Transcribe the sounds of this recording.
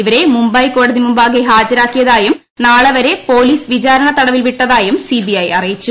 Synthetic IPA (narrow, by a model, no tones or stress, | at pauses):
iʋɐɾe̞mumbɐjko̞ːɽɐðimumbaːɣeɦaːd͡ʑɐɾaːkːijɐðaːjum | naːɭɐʋɐɾe̞po̞ːliːsʋit͡ɕaːɾɐɳɐt̪ɐɽɐʋilʋiʈːɐðaːjumsibiɐjɐrijit͡ɕːu